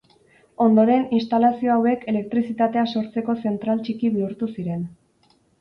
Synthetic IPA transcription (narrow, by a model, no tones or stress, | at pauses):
o̞nd̪o̞ɾe̞ninst̪alasio̞awe̞kʰe̞le̞k̚t̪ɾisit̪at̪e̞aso̞ɾt͡se̞ko̞se̞nt̪ɾalt͡ʃikiβiuɾt̪usiɾe̞n